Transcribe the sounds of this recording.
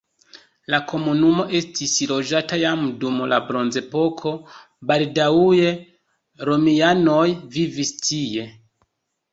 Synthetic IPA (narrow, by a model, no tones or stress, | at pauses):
lako̞munumo̞ʔe̞stislo̞ʒatajamdumla̰bɾo̞nze̞po̞kʰo̞ | baldauje̞ | ɾo̞miano̞jvivistije̞